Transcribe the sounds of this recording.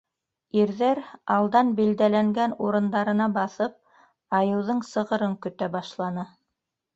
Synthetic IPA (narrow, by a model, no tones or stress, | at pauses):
iɾðæɾɑlˠd̪ɑnbild̪ælæŋɡænuɾɤ̆nd̪ɑɾɤ̆nɑbɑθɤp̚ | ɑjɤ̆wðɤɴsɤ̆ʁɤ̆ɾɤŋkɵ̆t̪æbɑʃlˠɑnɤ